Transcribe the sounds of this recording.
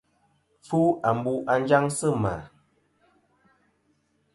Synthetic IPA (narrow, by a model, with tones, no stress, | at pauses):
p͡fu˦a˨m˦bu˦ʔa˦nd͡ʒa˦ŋsə˦ma̰˨